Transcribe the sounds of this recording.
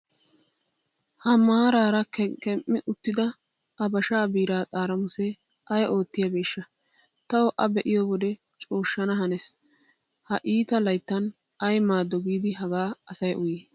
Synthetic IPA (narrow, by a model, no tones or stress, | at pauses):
hɐmaːɾaːɾɐkkɛmʔːɪʔʊt̪ːɪd̪ɐ | ʔɐbɐʃaːbiːɾaːt̪ʼaːɾɐmʊsɛ | ʔɐjʔo̞ːt̪ːɪjɐbeːʃːɐ | t̪ɐwɔʔɐbɛʔɪjɔwɔd̪ɛ | t͡ʃʼo̞ːʃːɐnɐɦɐnɛs | hɐʔiːt̪ɐlɐjt̪ːɐn | ʔɐjmaːd̪ːɔɡiːd̪ɪɦɐɡaːɐsɐjʔʊjeː